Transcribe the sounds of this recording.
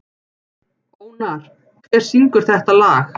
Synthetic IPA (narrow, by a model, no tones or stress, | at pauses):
oːwnaɾ̥ | kʰvɛːɾ̥siŋkʏɾ̥θɛht̪alaːx